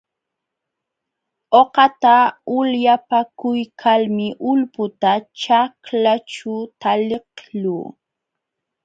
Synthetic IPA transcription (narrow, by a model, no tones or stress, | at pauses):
oqɑt̪aʊljapakʊjkʰalmɪʔʊlpʊt̪at͡ʃaklat͡ʃʊt̪alɪqluː